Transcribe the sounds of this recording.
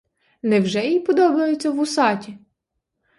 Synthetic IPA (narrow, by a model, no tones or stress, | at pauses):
nɛwʒɛjipɔd̪ɔbɐjet͡sʲːɐwʊsɑtʲi